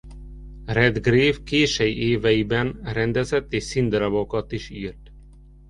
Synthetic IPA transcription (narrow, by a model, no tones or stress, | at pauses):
rɛd̪ɡreːvkeːʃɛjʔeːvɛjibɛnrɛnd̪ɛzɛt̪ːeːʃsind̪ɾɒbokɒt̪iʃiːrt̪